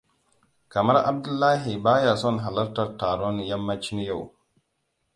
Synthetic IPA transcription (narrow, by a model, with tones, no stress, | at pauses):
ka˨ma˦ɾʔa̰˦b̚du˦lːa˦ɦi˨baː˦ja˨sɔ˦nɦa˨la˦ɾta˦ɾtaː˨ɾo˦nja˦mːa˦t͡ʃi˦n˦ja˦˨w